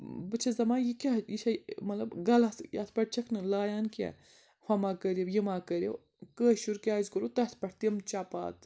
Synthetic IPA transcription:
bɨt͡ʃʰɐzɐmaːjikʲajiʃamɐt̪lɐbɡɐlɐt̪jat̪ʰpɐʈ̚t͡ʃʰɐkʰnɨlaːjaːnkʲḛ | hɐmaːkəɾʲiwjimaːkəɾʲjḭw | kəːʃuɾkʲaːzkəɾut̪ɐt̪ʰpɐʈʰt̪imt͡ʃaːpa̰ːt̪

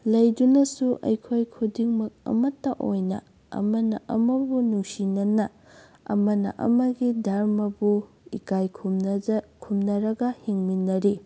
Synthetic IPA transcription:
lɐjdunɐsuʔɐ̰jkʰojkʰudiŋmɐk̚ɐ̰mɐtːɐʔojnɐ̰ | ɐ̰mɐnɐʔɐ̰mɐbunuŋsinɐnɐ | ɐ̰mɐnɐ̰ʔɐ̰mɐɡidʱaɾmɐbu | ikajʰukʰumnɐɾɐɡɐhiŋminːɐɾi

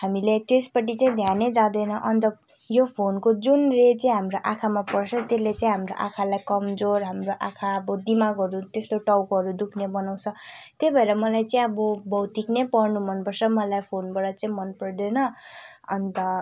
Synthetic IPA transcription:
ɦamilet̪espʌʈ̬it͡saĩd̪ʱjaned͡zãd̪ʌjnʌʔʌnt̪ʌ | jopʰonkod͡zunret͡saĩɦamroʔakʰamapʌrt͡sʰʌt̪elːet͡saĩɦamroʔa̰kʰalajkʌmd͡zorɦamroʔakʰaʌbʌd̪imaɡʌɾut̪est̪oʈʌwkɦʌɾud̪ukʰnebʌnaw̃t͡sʰʌt̪ebʱʌeɾʌmʌlajt͡saĩʌbʌbʌwt̪iknepʌrnumʌnpʌrsʰʌmʌlajpʰonbʌɽʌt͡saĩmʌnpʌrd̪enʌ | ʌnt̪ʌ

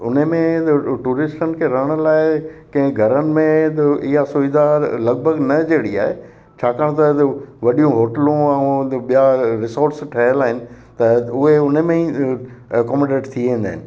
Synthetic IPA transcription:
ʊ̰nemẽʈuːɾɪsʈənɪ̆kʰeɾɐɦəɽ̃ə̆laːɪkɐ̃ɦɪ̃ɡʱɐɾənɪ̆mẽt̪ɪɦasʊʋɪd̪alɐɡ̚bʱəɡnɐd͡ʑeːɽiaːɦḛ | t͡ɕʰaːkaːɽ̃t̪ɐʋɐɗijũɦoːʈəlũɛ̃ɓijaɾɪsoːɾʈsʈʰɐɦəlaːɦɪnɪ̆ | t̪ɐʊɦeʊnmẽi | kɔːmãɖeːʈt̪ʰiʋẽnd̪aːɦɪnɪ̆

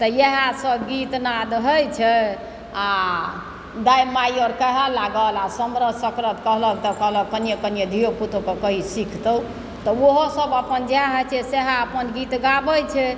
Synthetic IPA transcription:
t̪ɔjeɦasəɡit̪nad̪ɦəjt͡ʃʰɛ | a | d̪ajmajɔɾkəɦalaɡəlasəmɾəsəkɾət̪kəɦləkt̪ɔkəɦlək̚kənijekənjed̪ʱijoput̪okekəɦisikʰt̪əu | t̪ɔoɦosəbəpənd͡ʒeɦãɦət͡ʃʰɛseɦaəpənɡit̪ɡabəjt͡ʃʰɛ

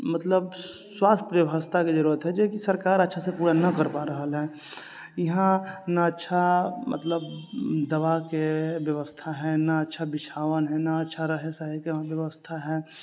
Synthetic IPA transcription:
mət̪ləb | swaːst̪ʰʋjəʋəst̪ʰaked͡ʒɐɾuːɾət̪ɦɛ̃d͡ʒokisəɾkaːɾətːʃʰasepuːɾanɐkəɾpaɾəɦəlɦɛː | jɐɦãnaətːʃʰamə̰t̪ləbd̪ɐʋakeʋjəʋəst̪ʰaɦɛ̃naːtːʃʰabɪt͡ʃʰaːwənɦɛnaətːʃʰaɾəɦesaɦekeʋjəʋəst̪ʰaɦɛː

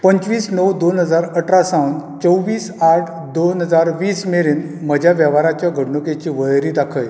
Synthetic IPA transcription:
pəɲt͡ɕʋiːsnəwd̪onɦəd͡zaɾəʈɾasãwnt͡ɕəwʋiːsaʈʰ | d̪onɦəd͡zaɾʋiːsmeɾiːnməd͡ʑʱjaʋjəʋaɾat͡ɕjaɡʱəɽɳuket͡ɕiːʋəɭɾiːd̪akʰəj

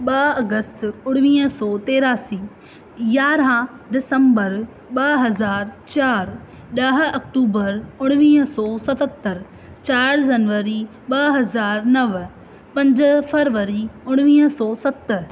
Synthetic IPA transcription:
ɓɐɐɡəst̪ʊɽ̃ʋiːɦə̃sɔːt̪eːɾaːsiː | jaːɾã | d̪ɪsə̃mbəɾ | ɓɐɦɐzaːɾt͡ɕaːɾ | ɗɐɦɐkʈuːbəɾʊɽ̃ʋĩːɦə̃sɔːsɐt̪ət̪ːəɾ | t͡ɕaːɾd͡ʑɐnʋəɾi | ɓɐɦɐzaːɾnɐʋ | pɐ̃ɲd͡ʑə̆fɐɾʋəɾiʊɽ̃ʋĩːɦəsɔːsɐt̪ə

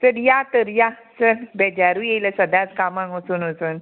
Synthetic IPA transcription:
t̪əɾjat̪əɾjasəɾbɛd͡ʑaɾujejləsəd̪ʱat͡skamãŋkəsuːnəsuːn

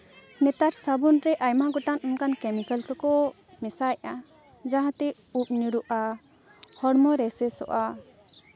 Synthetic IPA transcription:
nɛt̪aɾsabunɾɛʔajmaɡɔʈanunkankɛmikalkakɔ | mɛsaja | d͡ʒaɦãt̪ɛ | up̚niɾuʔa | hɔɽmɔɾɛsɛsɔ̰ʔa

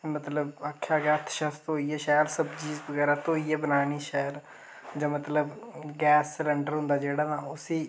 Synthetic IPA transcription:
mət̪ləbəkʰːjaːɡɛːt̪ʰʃəst̪ɦoːiːɛːʃaːjəɾsəbt͡ʃiːzbəɡɛːɾaːt̪õːiːɛːbənaːñiːʃaːjəɾ | d͡ʒãːmət̪ləbɡɛːsləɳɖəɾɦʊ̃nd̪aːd͡ʒeːɽaːnãːʊsiː

